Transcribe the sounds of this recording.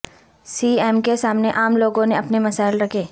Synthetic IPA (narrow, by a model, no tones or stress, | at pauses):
siːɛːmkesaːmneʔaːmloːɡõneɐpnemɐsaːɪlɾɐkʰeː